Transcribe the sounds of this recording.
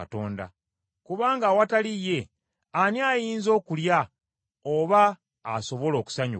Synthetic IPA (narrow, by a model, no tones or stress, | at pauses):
ato̞ːnda̰ | kuβaːŋɡawatalije̞ | aniajiːnzo̞ːkulja | oβaː | so̞βo̞lo̞ːku̥saɲṵ